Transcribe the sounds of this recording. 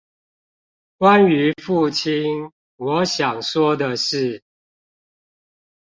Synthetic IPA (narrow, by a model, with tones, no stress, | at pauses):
kwa˦ny˧˦fu˥˨˩t͡ɕʰi˦˥n | wɔ˨˦ɕjɑ˨˩ŋʂwɔ˥d̪ə˨ʂɻ̩˥˨